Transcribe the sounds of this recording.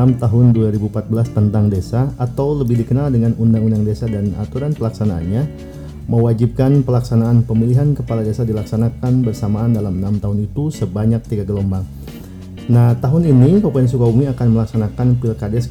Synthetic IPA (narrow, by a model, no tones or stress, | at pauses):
amt̪aɦʊnduaɾibuumpat̪̚bəlast̪ənt̪aŋdesaːt̪awləbɪhdikənaldəŋanundaŋundaŋdesadana̰t̪uɾanpəlaksanaa̰nɲa | məwad͡ʒip̚kanpəlaksanaːnpəmiliɦankəpaladesadilaksanakanbərsamaːndalamənamt̪aɦʊnit̪usəbaɲak̚t̪iɡaɡəlombaŋ | naht̪aɦʊninikopaɛns̬ukaumiakanməlaksanakanpilkadɛs